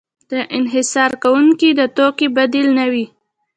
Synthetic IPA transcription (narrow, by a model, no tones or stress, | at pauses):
d̪̥əʔɪnɦɪsɑɾkawuŋkid̪ət̪okibad̪ilnawi